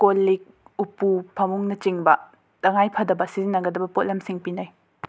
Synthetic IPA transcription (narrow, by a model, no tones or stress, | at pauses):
kolːik̚upupʰɐmuŋnɐt͡ʃiŋbɐ | tɐŋajpʰɐdɐbɐsizinːɐɡɐdɐbɐpot̚lɐmsiŋpinaj